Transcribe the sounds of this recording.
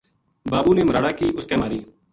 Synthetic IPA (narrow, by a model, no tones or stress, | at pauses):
baːbuːneːməɾaːɽaːkiːʔʊskeːmaːɾiː